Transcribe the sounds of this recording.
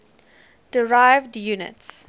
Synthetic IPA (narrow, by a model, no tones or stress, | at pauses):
d̥əɹaɪvdjunɪ̰ts